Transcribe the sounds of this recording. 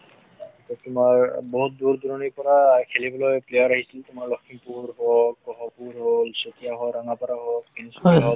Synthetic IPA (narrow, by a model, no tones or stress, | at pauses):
kɔt̪ʊmaɹbɔɦut̪̚d̪uɾd̪uɾɔnipɔɾakʰelibolɔjplejaɾaɦisilt̪omaɹlokʰːimpuɾɦokkɔɦɔpuɾɦolsot̪ijaɦoɾaŋapaɾaɦokkinisaɦo